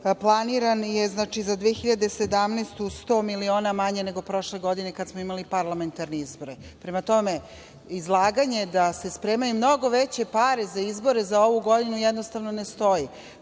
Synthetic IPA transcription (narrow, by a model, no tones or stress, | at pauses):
plˠaniɾanjeznaːt͡ʃizad̪ʋeexiʎad̪e̞se̞d̪amnast̪ust̪o̞ːmilio̞ːnamaɲene̞ɡo̞pɾo̞ʃleɡo̞d̪ine̞kad̪smo̞imalipaɾlˠame̞nt̪aɾneizbo̞ɾepɾemat̪o̞me | izlˠaːɡaɲe̞d̪ase̞spɾeːmajumno̞ɡo̞ʋet͡ɕe̞paɾezaizbo̞ɾezao̞ʋuɡo̞d̪inujɛd̪nost̪aʋnonest̪o̞ji